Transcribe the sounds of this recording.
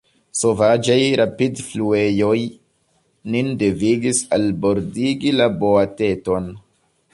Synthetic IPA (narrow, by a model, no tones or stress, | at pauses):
so̞vad͡ʒajɾʔapidflue̞jo̞j | ninde̞viɡisalbo̞ɾdiɡilabo̞ate̞to̞n